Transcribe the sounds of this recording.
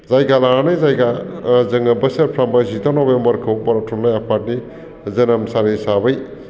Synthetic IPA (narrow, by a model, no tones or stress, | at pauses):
zajɡalaɾanɯjzajɡazɯŋɐbɐsetpʰɾambajzitʰanɔbembɐɾkʰɯwbaɾatʰɔnlajapʰat̚ni | zɐnɐmsaɾisabɯj